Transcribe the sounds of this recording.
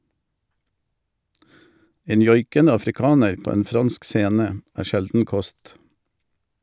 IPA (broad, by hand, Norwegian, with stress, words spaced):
ˈeːn ˈjɔʏkənə ɑfɾɪˈkɑːnəɾ ˈpoː ˈeːn ˈfʁɑnsk ˈseːnə ˈæː ˈʃɛldn̩ ˈkɔst